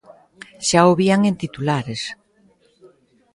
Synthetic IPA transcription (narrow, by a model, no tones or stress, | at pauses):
ʃaoβiaŋent̪it̪ulaɾes